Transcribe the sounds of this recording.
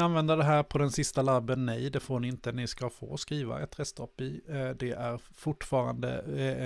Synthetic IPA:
anvɛnd̪əɖ̪ɛɦæːɾpʰɔd̪ɛnsɪst̪alabːənːɛjd̪ɛfoːɳɪɪnt̪əɛnɪskafo̰ːɔskɾiːva̰ɛ̰t̪ʰːɾɛst̪ʰɔpːɪd̪ɛʔæɾ | fʊʈːfɑːɾa̰nd̪ə̰

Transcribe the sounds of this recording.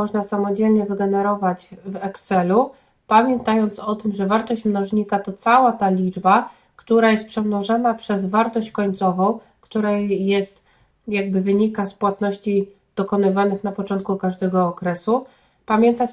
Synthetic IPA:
ɔʐnasamɔd͡ʑɛlɲɛvɘɡɛnɛɾɔvad͡ʑvɛksɛlu | pamʲjɛnt̪ajɔnt̪sɔt̪ɘmʐɛvaɾt̪ɔɕt͡ɕmnɔʐɲikat̪ɔt̪sawat̪alʲid͡ʐba | kt̪uɾajɛst̪̚pʂɛmnɔʐanapʂɛzvaɾt̪ɔɕt͡ɕkɔɲt̪sɔvɔ̃w̃ | kt̪uɾɛjɛst̪ | jaɡ̚bɘvɘɲikaspwat̪nɔɕt͡ɕi | d̪̥ɔkɔnɘvanɘxnapɔt͡ʂɔnt̪̚kukaʐd̪ɛɡɔːkɾɛsu | pamʲjɛnt̪at͡ɕ

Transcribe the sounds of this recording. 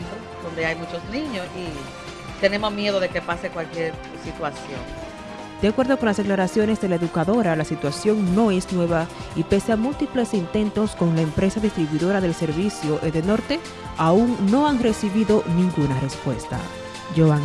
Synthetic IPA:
t̪ɾod̪o̞nd̪e̞ajmut͡ʃo̞snĩɲosi | t̪e̞ne̞mo̞smje̞ðo̞ðe̞kepasekwalkje̞ɾ | sit̪wasjo̞̰ŋ | d̪̥eakwe̞ɾðoko̞nlasðeklaɾasjo̞ne̞zðelae̞ðukaðo̞ɾalasit̪wasjo̞ŋno̞e̞snwe̞βaipe̞seamult̪iple̞sint̪e̞nt̪o̞sko̞ŋlaempɾe̞saðist̪ɾiβwuiðoɾaðe̞lse̞ɾβisjo̞ʔeðeno̞ɾt̪e̞ | auŋno̞aŋre̞siβiðo̞nĩŋɡunare̞spwe̞̰st̪a̰ | ʝoaŋ

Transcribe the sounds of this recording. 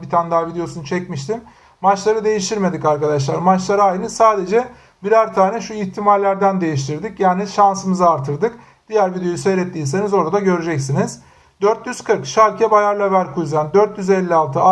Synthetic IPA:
bit̪ʰand̪aːvid̪ejo̞sunt͡ʃʰɛcmiʃt̪ʰim | mat͡ʃlˠaɾɯd̪e̞jiʃt̪ʰiɾme̞d̪ikaɾkad̪aʃ̬lˠaɾmat͡ʃlˠaɾɯajnɯsaːd̪e̞d͡ʒɛ | biɾæɾt̪ʰaːnɛʃuiçt̪ʰimalʲːæɾd̪ænd̪e̞jiʃt̪ʰiɾd̪icjaːniʃansɯmɯzɯaɾt̪ʰɯɾd̪ɯk | d̪̥ijæɾvid̪ejojuse̞jɾɛt̪ːiːs̬e̞nizo̞ɾad̪aɟøɾyd͡ʒɛcsiniz̥ | d̪øɾt̪jyz̥kʰɯɾkʃalʲcʰɛbajaɾlʲˠavæɾkʰujzand̪øɾt̪jyzɛlʲːialˠt̪ʰɯa

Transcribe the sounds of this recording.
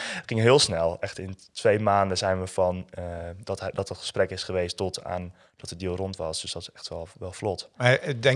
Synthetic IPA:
ətχɪŋɦɪːəlˠsnɛlˠɛxtɪntʋejmaːndəzɛjnʋəfɔnədtdɔtətχə̥sprɛkɪsχəʋejstɔtʰa̰ːn | d̥ɔtədiəlˠrɔntʋɑsd̥øsd̥ɔtɪsɛxtʋɛlˠʋɛlˠflɔtadɛ

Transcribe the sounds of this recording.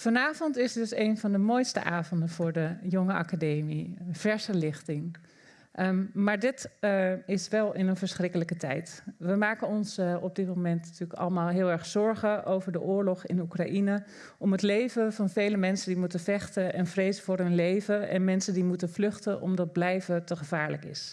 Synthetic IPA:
fɑnaːv̥ɔntɪsdɵsejnvɑndəmojstə̰ʔaːvɔndənvʊːɹdəjɔŋəʔa̰kadejmiv̥ɛɹsəlɪχtɪŋ | maːɹdɪt | ɪsʋɛlˠɪnənvəɹsχrɪkələkətɛ̰jtʋəmaːkənɔnsɔb̚dɪt̚momɛntnatyːəkɑ̰ləmaːlˠɦɪːlˠɛɹχszɔɹχəʔowvəɹdəʔʊːɹlɔχɪ̰nukraʔinə | ʔɔmɦətlejvəvɑnvejləmɛnsəndimutənvɛχtəʔɛnvrejzəvʊːɹɦɵnlejvəɛ̰nmɛnsəndimutənvlɵχtənʔɔ̰mdɑd̚blɛjvətəχəv̥aːɹləkɪ̰s

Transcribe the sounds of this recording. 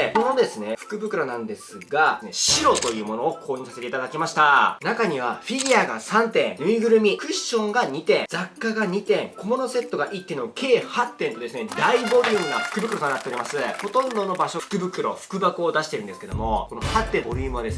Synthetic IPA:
ko̞no̞d̪e̞sɨne̞ɸɯ̟̥kɯ̟bɯ̟kɯ̟ɾonãnod̪e̞sɨɡaneɕiɾo̞t̪o̞jɯ̟ːmo̞no̞ːkʰoːɲ̟iːsase̞t̪eit̪ad̪akʲimaɕi̥t̪anakaɲ̟iβ̞aɸʲiɾʲiaɡa̰sãnt̪ẽ̞ŋnɯ̟iɡɯ̟ɾɯ̟mʲikɯ̟ɕːõ̞ŋɡaɲ̟it̪ẽ̞d͡zakːaɡaɲ̟it̪ẽ̞ŋko̞mo̞no̞se̞t̪ːo̞ɡaʔit̪ːeɯnoakʰe̞ːhat̪ːẽ̞nt̪o̞d̪e̞sɨned̪aibo̞ɾʲɯːmɯ̟ɡ̪aɸɯ̟̥kɯ̟bɯ̟kɯ̟ɾo̞t̪onat̪ːeoɾʲimasɨho̞t̪õ̞nd̪o̞no̞baɕoɸɯ̥kɯ̟bɯ̟kɯ̟ɾo̞̰ɸɯ̥kɯ̟bakɯːd̪asɕi̥t̪e̞ɾɯ̟nd̪esked̪o̞mo̞ko̞nohat̪ːẽ̞mbo̞ɾʲɯːmɯ̟ad̪e̞sɨ

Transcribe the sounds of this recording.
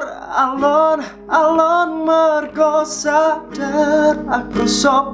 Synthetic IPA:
alɔn | alɔnmərɡɔsadʰəɾak̚əsɔ

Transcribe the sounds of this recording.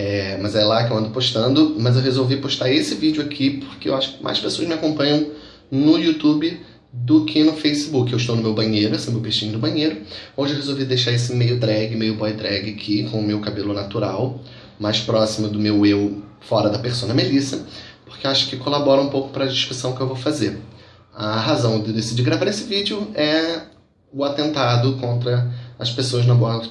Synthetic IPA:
ɛmɐzɛjlakɪewɐ̃nd̪ʊpoʃt̪ɐ̃nd̪ʊmɐzewɦezowvipoʃt̪aɾesɪvid͡ʒʊakʰipoɾkeewaʃʊ̥kɪma̰jʃpesoɐzmɪakõpɐ̃ɲɐ̃w̃ | nʊjut̪ubɪ | d̪ʊkʰɪnʊfejsɪbukɪewɪʃt̪ownʊmewbɐ̃ɲejɾʊesmewpeʃt͡ʃĩɲʊd̪ʊbɐ̃ɲejɾʊowʒewɦezowvid̪ejʃaɾesɪmejʊd̪ɾɛɡɪmejʊbɔjd̪ɾɛɡɪakʰikõʊmewkabelʊnat̪uɾaw | majʃpɾɔsimʊd̪ʊmewew | fɔɾɐd̪ɐpeɾsõnɐmelisɐpo̥χkeaʃʊ̥kɪkolabɔɾɐũmpowkʊ̥pɾɐd͡ʒiʃkɾusɐ̃w̃kɪewvowfazeɾ | ɐɦazɐ̃w̃d̪d̪esid͡ʒiɡɾavaɾesɪvid͡ʒɪʊɛ | ʊat̪ẽnt̪ad̪ʊkõnt̪ɾɐɐspesoɐznɐbõɐ

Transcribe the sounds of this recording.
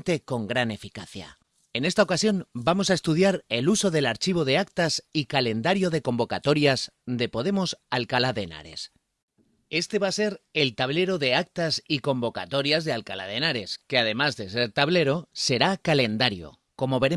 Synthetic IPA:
nt̪e̞ko̞ŋɡɾane̞fikaθja̰ | e̞ne̞st̪ao̞kasjo̞nbamo̞s̬ae̞st̪uð̞jaɾeluso̞ðe̞laɾt͡ʃiβ̞o̞ðe̞ak̚t̪asikale̞nd̪aɾjo̞ðe̞ko̞mbo̞kat̪o̞ɾjaz | d̪e̞po̞ð̞e̞mo̞salkalaðe̞na̰ɾe̞̰s | e̞st̪e̞βase̞ɾe̞lt̪aβle̞ɾo̞ðe̞ak̚t̪asiko̞mbo̞ka̰t̪o̞ɾjazðe̞alkala̰ðe̞naɾe̞ske̞að̞e̞mazðe̞se̞ɾt̪aβ̞le̞ɾo̞se̞ɾakale̞nd̪aɾjo̞̰ | ko̞mo̞βe̞ɾe

